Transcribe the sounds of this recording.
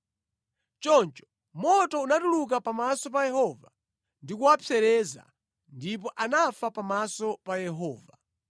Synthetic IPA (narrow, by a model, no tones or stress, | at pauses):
t͡ʃɔnt͡ʃɔ̥ | mɔtɔunatuluk̬apamasɔpajɛhɔva | ndikuwapʰɛɾɛza̰ | ndipɔʔanafapamasɔpajɛɦɔːva